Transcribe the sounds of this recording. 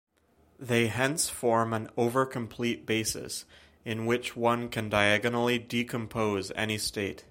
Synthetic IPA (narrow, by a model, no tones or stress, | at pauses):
ðeɪɦɛ̃nsfɔɹmə̃noʊvə˞kʰə̃m̩pʰl̥it̚b̥eɪsɨ̰s | ɨ̃nwɪt͡ʃwʌ̃nkʰɨ̃ndaɪæɡənl̩ˠidikʰɨ̃mpʰoʊzɛ̰nisteɪt̚